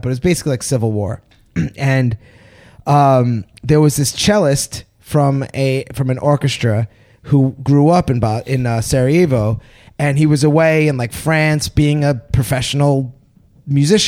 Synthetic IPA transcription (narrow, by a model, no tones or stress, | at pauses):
b̥ʌɾɨwʌzbeɪsɪ̥klilaɪksɪvl̩ˠwɔ̰ɹ | ɨ̃n | ʌ̃mðə˞wʌzðɪst͡ʃʰɛlˠəst | fɹʌ̃mɨfɹʌ̃mɨ̃nʔɔɹkɨstɹ̥ɨ | huɡɹuʌpɨ̃nbaɪ̃nʌsɛɹievoʊ | ɨ̃niwʌzəweɪɨ̃nlaɪkfɹæ̃nsb̥iɪ̃ŋɨpʰɹ̥ɨfɛʃn̩l̩ˠ | mjʉzɪʃ